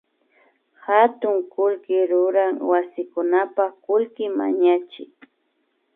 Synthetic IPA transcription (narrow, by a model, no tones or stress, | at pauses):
hat̪ʊŋkʊlkɪɾʊɾaŋwasɪkʊnapakʊlkɪma̰ɲat͡ʃɪ̰k̚